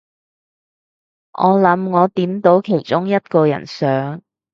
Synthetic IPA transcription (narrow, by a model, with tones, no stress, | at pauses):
ʔɔː˨˧lɐ˨˥mŋɔː˨˧t̪iː˨˥mt̪o˨˥wkʰe˨˩jt͡ʃʊ˥ŋjɐ˥t̚kɔː˧jɐ̰˨˩nsœː˨˥ŋ